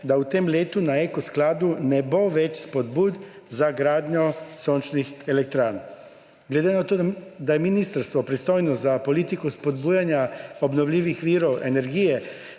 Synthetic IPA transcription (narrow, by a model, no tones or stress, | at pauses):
d̪aut̪emleːt̪unaekɔsklaːd̪unɛboʋɛt͡ʃspɔd̪buːd̪ | zaɡɾaːd̪ɲɔsoːnt͡ʃnixelɛk̚t̪ɾaːɾn | ɡled̪enat̪od̪ajɛminist̪aɾst̪ʋɔpɾist̪oːjnɔzapoliːt̪ikuspoɔd̪buːjanjaobnɔwlʲiːʋixʋiːɾɔwʔḛnɛɾɡiːjɛ